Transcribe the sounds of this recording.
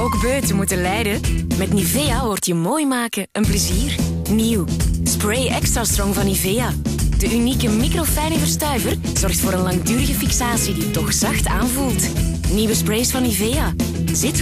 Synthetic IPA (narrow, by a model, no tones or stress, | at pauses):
oːɡbøːtəmutənlɛjdəmɛtniveːjaʋɔrtjəmoːjmaːkəʔənpləziːr | niwsprejɛkstraːstrɔŋvɑniveja | d̥əʔynikəmikrofɛjnəvərstœɥvər | z̥ɔrxtfoːɾənlɑŋdyːɾəɣəfiksaːsiditɔxz̥ɑxtaːnvulˠtniwəspreːsfɑniveːaː | zɪt